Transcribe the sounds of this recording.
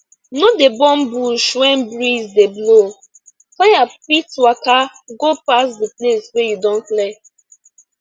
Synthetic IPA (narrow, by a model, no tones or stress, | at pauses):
nodebɔ̃nbuʃwɛ̃nbɹizdeblo | fajapitwaka | ɡopasdepleswɛjudõnplɛ